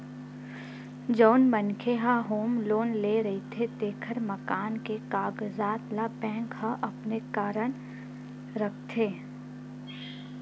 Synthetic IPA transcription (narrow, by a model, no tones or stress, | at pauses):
d͡ʒɔːnmənkʰeɦaɦoːmloːnleɾɐɦit̪ʰed̪eːkʰəɾmɐkaːnkekaːɡzaːt̪labɛ̃ːŋkhaʔɐpnekaːɾəñ | ɾɐk̚ʰt̪ʰeː